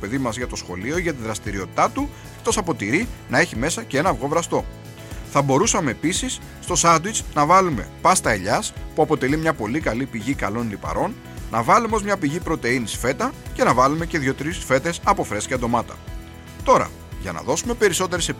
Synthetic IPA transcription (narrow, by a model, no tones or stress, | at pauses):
ope̞ðimɐzʝɐt̪o̞sxo̞lio̞iʝɐt̪̬iðɾɐst̪iɾio̞t̪i̥t̪ɐt̪u | ekt̪o̞sɐpo̞t̪iɾinɐe̞çime̞sɐcee̞nɐvɣo̞vɾɐst̪o̞ | θɐbo̞ɾusɐme̞ːpisisːt̪o̞sɐd̪wit͡snɐvɐlume̞̰pɐst̪ɐeʎɐspuɐpo̞t̪e̞limɲɐpo̞likɐlipiʝikɐlo̞nlipɐ̰ɾo̞n | nɐvɐlumeo̞zmɲɐpiʝipɾo̞t̪e̞inisfe̞t̪ɐce̞nɐvɐlume̞ce̞ðʝo̞t̪ɾisfe̞t̪e̞sɐpo̞fɾe̞sceɐnd̪o̞mɐt̪ɐ̥̰ | t̪o̞ɾɐ̰ | ʝɐ̰nɐ̰ðo̞sume̞pe̞ɾiso̞t̪e̞ɾese̞